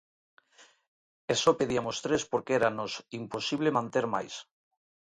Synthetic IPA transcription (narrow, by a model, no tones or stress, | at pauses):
esopeðiamost̪ɾespoɾkeeɾanosimposiβlemãnt̪eɾma̰js